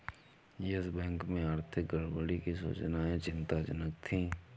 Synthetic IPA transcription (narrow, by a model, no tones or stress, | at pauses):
jəsbɛ̃ːŋkmẽaːɾt̪ʰɪk̚ɡəɽbəɽikisṵːt͡ʃnaẽt͡ʃɪ̃nt̪at͡ʃənək̚t̪ʰĩː